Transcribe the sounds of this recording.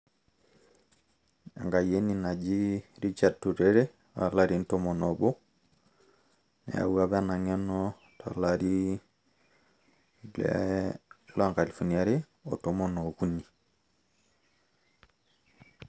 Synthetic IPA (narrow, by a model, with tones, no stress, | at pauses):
a̰˨ŋɡa˨je˦nina˨d͡ʒi˦ɾi˦t͡ʃad̚tu˨ɾeɾe˦ | a̰˨laɾintomono˨bo˦ | nḛ˨a̰˨wu˦ɾabe˦ana˨ŋe˦no | ta̰˨laɾi˦ | blḛ | laŋkali˨fonia˦ɾe˦ | o̰tomono˨ku˦ni